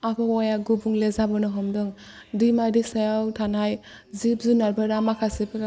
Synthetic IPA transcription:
apʰɔɔjaɡubuŋlezabɔnɔɦɔmdɯŋ | dimadisajawtʰanaj | zip̚zunaɾbaɾamakʰasipʰa

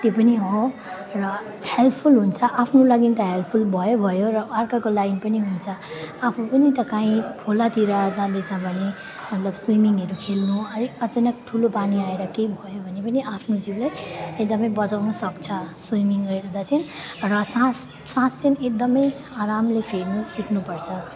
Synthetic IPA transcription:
t̪jopʌniɦo | rʌ | helt̪ʰpʰulɦunt͡sʰʌʔapʰnulʌɡint̪ʌɦelpʰulbʱʌjobʱʌjoɾʌarkakolajnpʌniɦunt͡sʰʌapʰupʌnit̪ʌkãĩpʰolat̪iɾʌd͡zãd̪et͡sʰʌbʱʌne | mʌt̪lʌbsujmiŋɦʌɾukʰelnuʌɾiʌt͡sʌnʌk̚ʈʰulopaniaeɾʌkejbʱʌjobʱʌnepʌniapʰnod͡ziblajek̚d̪ʌmʌjbʌt͡sawnʌsʌkt͡sʰʌsijmiŋʌeɾud̪at͡sʰʌnrʌsãs | sãst͡sinek̚d̪ʌmʌj | aɾamlepʰeɾmʌsːiknupʌrt͡sʰʌ

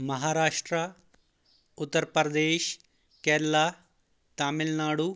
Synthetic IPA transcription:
mɐɦaːɾaːʂʈɾɐ | ut̪ːɐɾpɐɾɐd̪eːʃ | keːɾlaː | t̪aːmilnaːɽu

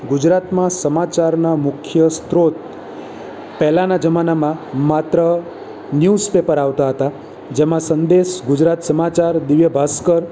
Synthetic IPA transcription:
ɡʊd͡ʒɾat̪mãsəmat͡ʃaɾnamʊkʰjəst̪ʰɾot̪̚ | pɛɦlãnad͡ʒəmanamãmat̪ɾə | njuspepəɾaʋt̪aɦət̪a | d͡ʒemãsənd̪eʃɡʊd͡ʒɾat̪səmat͡ʃaɾd̪ɪʋjəbʱaskəɾ

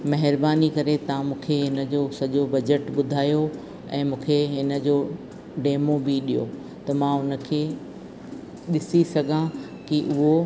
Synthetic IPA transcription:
mɐɦɪɾbaːnikɐɾet̪ɐãmũːkʰeɦɪnə̆d͡ʑoːsɐʄobɐd͡ʑəʈɓʊd̪ʱaːjo | ɛ̃ːmũːkʰeɦɪnə̆d͡ʑoː | ɖeːmobiɗijo̰ː | t̪ɐmãːɦʊnə̆kʰeː | ɗɪsisɐɡʱã | kiʔʊɦo

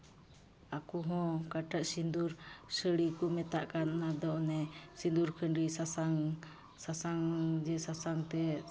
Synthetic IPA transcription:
akuɦɔ̃kaʈaʔsind̪uɾsəɽikumɛt̪aʔkanːad̪ɔnɛsind̪uɾkʰənɾisasaŋ | sasaŋd͡ʒɛsasaŋt̪ɛ

